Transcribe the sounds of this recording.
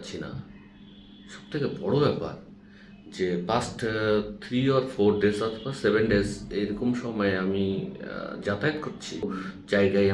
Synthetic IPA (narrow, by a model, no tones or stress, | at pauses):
t͡ɕʰina̰ | ʃɔb̚t̪ʰekebɔɽobɛpa̰ɾ | d͡ʑepasʈt̪ʰɾiɔɾfʰoɾɖezɔt̪ʰobaɾsebenɖezejɾokomʃɔmɔeami | d͡ʑat̪aet̪koɾt͡ɕʰid͡ʑaeɡaea